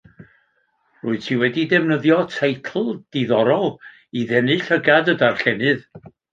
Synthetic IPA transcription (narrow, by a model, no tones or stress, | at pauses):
rʊːɨ̥tʰiwɛdidɛvnəðjɔtʰejtʰl̩ˠd̥iðɔɾɔlˠ | iðɛnɨɬəɡadədarɬɛnɨð